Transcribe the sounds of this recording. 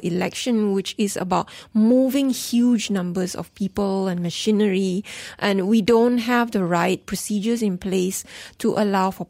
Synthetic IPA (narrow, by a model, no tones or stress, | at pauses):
ʔilɛkʃə̃nwɪt͡ʃɪzə̰baʊt̚muvɪ̃ŋhjud͡ʒnʌ̃mbəzɔ̰fpipəlɛ̃nməʃĩnəɹiʔɛ̃nwidõntɦɛvdəɹaɪt̚pʰɹɔsid͡ʒəzɪ̃nplestʰuʔəlaʊfɔ